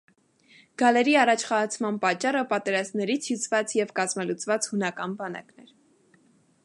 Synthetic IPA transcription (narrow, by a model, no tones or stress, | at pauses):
ɡ̥ɑlɛɾiɑrɑt͡ʃʰχɑt͡sʰmɑnpɑt͡ʃːɑrəpɑt̪ɛɾɑzmnɛɾit͡sʰjut͡sʰvɑt͡sjɛvkɑzmɑlut͡svɑt͡shunɑkɑnbɑnɑ̰knɛɾ